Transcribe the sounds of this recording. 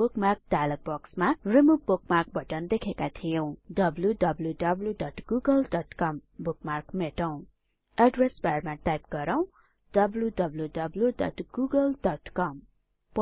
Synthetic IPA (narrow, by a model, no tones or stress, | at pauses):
bukmark̚dalʌk̚bʌksmarimuk̚buk̚mark̚bʱʌʈʌnd̪ekʰekat̪ʰijõw̃dʌbludʌbljuɖʌbljudʌʈɡ̥uɡʌldʌʈkʌm | bukmarkmeʈʌw̃ | aɖresbarmaʈajpɡʌɾaw̃ | d̥ʌbljudʌbljudʌbljudʌ̰ʈɡuɡʌldʌʈkʌm | p